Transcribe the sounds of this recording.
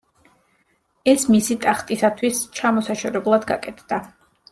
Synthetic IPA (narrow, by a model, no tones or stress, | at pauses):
ɛsmisit̪ʼaχt̪ʼisat̪ʰwist͡ʃʰamɔsaʃɔɾɛblˠad̪ɡa̰kʼɛt̪ʰd̪̥a